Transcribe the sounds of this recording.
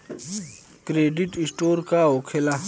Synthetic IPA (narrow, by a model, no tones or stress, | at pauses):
kɾeːɖiʈisʈoːɾkaokʰela